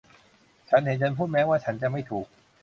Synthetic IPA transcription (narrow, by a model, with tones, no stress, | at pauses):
t͡ɕʰa˦˥nhe˩˦nt͡ɕʰa˧npʰuː˥˩t̪̚mɛː˦˥waː˥˩t͡ɕʰa˦˥nt͡ɕa˨˩ma˥˩jt̪ʰuː˨˩k̚